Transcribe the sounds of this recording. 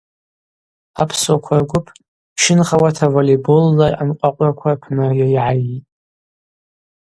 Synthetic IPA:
apʰsokʷʰarɡʷʊpʰ | ʃɪnχawatʰavolebolːaʔa̰nqʷʼaqʷʼrakʷʰapʰnajajʕajitʼ

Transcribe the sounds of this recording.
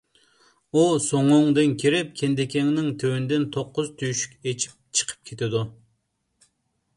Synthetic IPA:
usoŋʊŋd̪ɨnkʲʰiɾɪp̚kʲʰend̪ɪkʲʰɛŋnɪŋt̪ʰewynɪd̪ɪnt̪ʰoqːʊz̥t̪ʰyjʃy̥kʲet͡ʃʰi̥p̚t͡ʃʰə̥qʰə̥p̚kʲʰet̪ʰɪd̪u

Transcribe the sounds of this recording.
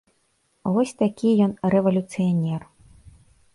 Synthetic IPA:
vɔsʲt̪akʲijɔnrɛvɐlʲut̪sɨjanʲɛr

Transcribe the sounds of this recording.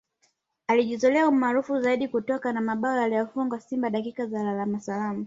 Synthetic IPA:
aliʄizɔlɛaumaːɾufuzaiɗikutɔkanamaɓaɔjalijɔfuŋɡasimbaɗakikazalalamasalamu

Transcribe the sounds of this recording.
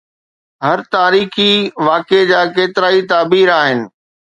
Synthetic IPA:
ɦɐɾt̪aːɾiːxiʋaːked͡ʑaːkeːt̪ɪɾaːit̪aːbiːɾaːɦɪnɪ̆

